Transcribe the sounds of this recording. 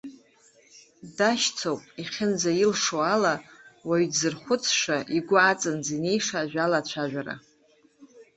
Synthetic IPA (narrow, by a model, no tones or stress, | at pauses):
daʃt͡sʰowpʼiχʲɪnd͡zajilʂoalawaɥdzɨrχʷʊt͡sʰʂaʔiɡʷʊat͡sʼɨnzine̞jʂaːʒʷᶣalat͡ɕʷʰaʒᶣʷaɾa̰